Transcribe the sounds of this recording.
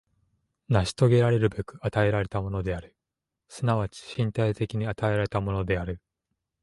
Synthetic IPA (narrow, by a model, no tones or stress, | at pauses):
naɕi̥t̪o̞ɡe̞ɾaɾe̞ɾɯ̟be̞kɯ̟at̪ae̞ɾaɾe̞t̪amo̞no̞d̪e̞aɾɯ̟ | sɨnaβ̞at͡ɕi̥ɕĩnt̪ait̪e̞kʲiɲ̟iat̪ae̞ɾaɾe̞t̪amo̞no̞d̪e̞aɾɯ̟